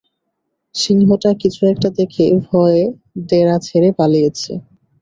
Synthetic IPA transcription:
ʃiŋɦoʈakit͡ɕʰuɛk̚ʈad̪ekʰebʱɔe | d̪eɾat͡ɕʰeɾepalijet͡ɕʰḛ

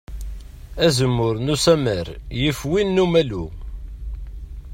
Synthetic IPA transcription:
æzəmːʊɾnusæməɾjəfwinːumælu

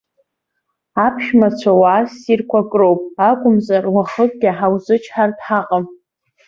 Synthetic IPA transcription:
apʰʃmat͡sʷʰawasirkʷʰakʼrowpʼakʷʼʊmzarwaχəkʼɡʲɪħawzɨt͡ʃʰħartʰʼħaqʼam

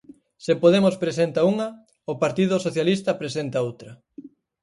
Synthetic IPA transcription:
sepoðemospɾesent̪ɐuŋɐ | ʊpaɾt̪iðʊsoθjalist̪ɐpɾesent̪ɐowt̪ɾɐ

